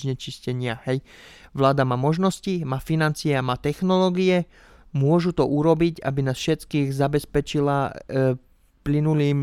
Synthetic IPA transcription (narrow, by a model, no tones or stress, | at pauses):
ɲɛt͡ʃiscɛɲɪahɛj | ʋlaːd̪amaːmɔʒnɔscimaːfinant͡siɛamaːt̪ɛxnɔlɔːɡiɛ | mʊɔʒut̪ɔʔuɾɔbiɟa̰binaːsfʃɛt̪kiːɣzabɛspɛt͡ʃila | plinuliːm